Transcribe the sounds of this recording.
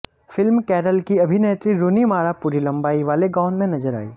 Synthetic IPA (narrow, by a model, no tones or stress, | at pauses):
fɪlmkɛːɾəlkiɐbʱineːt̪ɾiɾoːnimaːɾapuːɾilɐ̃mbaːiʋaːleɡãːʊnmẽnɐzəɾa̰ːḭː